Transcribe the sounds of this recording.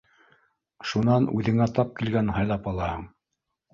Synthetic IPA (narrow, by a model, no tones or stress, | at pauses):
ʃunɑnʉðɘ̆ŋæt̪ɑp̚kilɡænɦɑjlˠɑpɑlˠɑhɤɴ